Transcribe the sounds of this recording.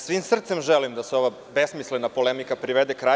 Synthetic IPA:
sʋiːmsr̩t̪se̞mʒelimd̪aseo̞ʋa | be̞smislenapo̞lemikapɾiʋed̪ekɾaː

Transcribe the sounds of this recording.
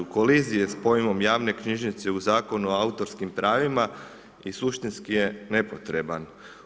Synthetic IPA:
ko̞lizijespo̞jmo̞mjaːʋne̞kɲiʒnit̪se̞uzaːko̞nuoaut̪o̞ɾskimpɾʔaːʋima | isuʃt̪inskije̞ne̞po̞t̪ɾe̞ban

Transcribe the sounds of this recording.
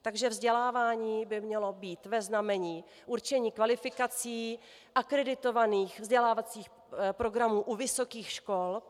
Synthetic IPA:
t̪aɡʒɛvzɟɛlaːvaːɲiːbɪmɲɛlo̞biːt̪vɛznamɛɲiː | ʔuɾt͡ʃɛɲiːkvalɪfɪkat͡siː | ʔakɾɛdɪt̪o̞vaniːxvzɟɛlaːvat͡siːx | pɾo̞ɡɾamuːʔuvɪso̞kiːxʃko̞l

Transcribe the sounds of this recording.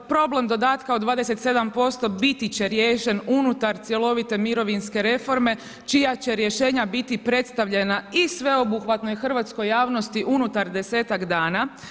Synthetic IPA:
pɾo̞ble̞md̪o̞d̪aːt̪kaod̪ʋaːd̪ese̞t̪se̞d̪ampo̞st̪o̞bit̪it͡ɕe̞ɾjeːʃe̞nunut̪aɾt̪sʲje̞lo̞ʋit̪e̞miɾo̞ʋinske̞ɾe̞fo̞ɾme̞ | t͡ʃijat͡ɕe̞ɾjeʃe̞ːɲabit̪ipɾe̞t̪st̪aʋʎe̞naisʋe̞o̞buxʋat̪no̞jxr̩ʋat̪sko̞jːaːʋno̞st̪iʔunut̪aɾd̪e̞se̞ːt̪akd̪aːna

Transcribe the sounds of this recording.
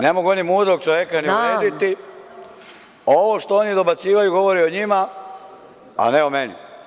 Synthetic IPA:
ne̞mo̞ɡuonimuːd̪ɾo̞ɡ̚t͡ʃoʋje̞kaniuɾeːd̪it̪i | oʋo̞ʃt̪o̞onid̪o̞bat̪siːʋajuɡo̞ʋo̞ɾio̞ɲima | a̰neome̞nḭ

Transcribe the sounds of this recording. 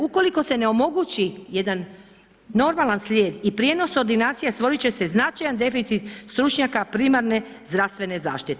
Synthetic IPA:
uko̞liko̞se̞neo̞mo̞ɡut͡ɕije̞d̪anː | o̞ɾmalanslʲjeːd̪ipɾʲije̞no̞so̞ɾd̪inaːt̪sijast̪ʋo̞ɾit͡ɕe̞se̞znat͡ʃajand̪e̞fit̪sit̪st̪ɾut͡ʃɲakapɾimaɾne̞ | zd̪ɾast̪ʋe̞ne̞za̰ːʃt̪it̪e

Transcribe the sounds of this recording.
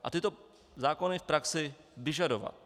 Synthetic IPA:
ʔa̰t̪ɪt̪o | zaːkonɪfpɾaksɪ | vɪʒadova̰t̪

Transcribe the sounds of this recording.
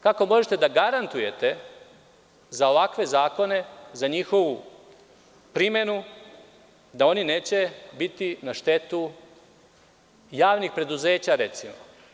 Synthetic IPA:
kako̞mo̞ʒet̪e̞d̪aɡaɾant̪uje̞t̪e̞ | zao̞ʋakʋe̞zaːko̞ne̞zaɲixo̞ʋu | pɾime̞nu | d̪ao̞nine̞ːt͡ɕe̞bit̪inaʃt̪e̞t̪u | jaːʋnixpɾe̞d̪uze̞ːt͡ɕaɾe̞t̪simo

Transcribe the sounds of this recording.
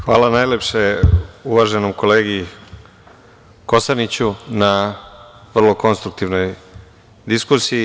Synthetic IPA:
xʋaːlanajlepʂeuʋaʒe̞nomko̞leːɡii | ko̞sanit͡ɕuna | ʋrlo̞ko̞nst̪ɾuk̚t̪iʋno̞j | d̪iskusiː

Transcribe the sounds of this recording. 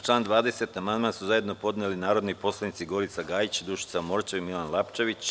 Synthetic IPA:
t͡ʃlaːnd̪ʋaːd̪eset̪amand̪maːnsuzaje̞d̪no̞po̞d̪neːlinaːɾo̞d̪nipo̞slˠanit̪siɡo̞ɾit̪saɡaːjit͡ɕd̪uʃi̥t̪samo̞ɾt͡ʃeʋimilanlˠapt͡ʃe̞ʋit͡ɕ

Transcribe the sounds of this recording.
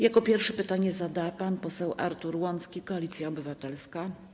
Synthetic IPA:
jakɔpʲjɛɾfʂɛpɘt̪aɲɛzad̪apanpɔsɛwʔa̰ɾt̪uɾwɔnskʲikɔalʲit̪sʲjaɔbɘvat̪ɛlska

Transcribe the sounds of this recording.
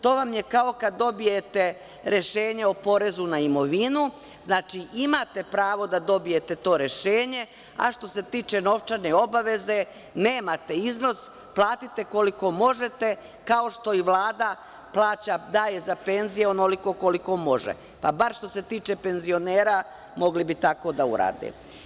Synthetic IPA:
t̪o̞ːʋamje̞kao̞kad̪ːo̞bije̞t̪e̞ | ɾe̞ʃeːɲe̞opo̞ɾe̞zunaimo̞ʋinu | znaːt͡ʃiʔimat̪e̞pɾaːʋo̞d̪ad̪o̞bije̞t̪e̞t̪o̞ːɾe̞ʃe̞ːɲe̞ | a̰ʃt̪o̞se̞t̪iːt͡ʃe̞no̞ʋt͡ʃaneo̞baʋe̞ze̞ | ne̞ːmat̪e̞izno̞s | plˠaːt̪it̪e̞ko̞liko̞mo̞ʒe̞t̪e̞ | kao̞ʃt̪o̞iʋlˠaːd̪a | plˠaːt͡ɕad̪aːje̞zape̞nzijeonoliko̞koliko̞mo̞ʒḛ | pabaɾʃt̪o̞se̞t̪iːt͡ʃe̞pe̞nzio̞neːɾa | mo̞ɡlibit̪ako̞d̪aṵɾa̰ːd̪ḛ

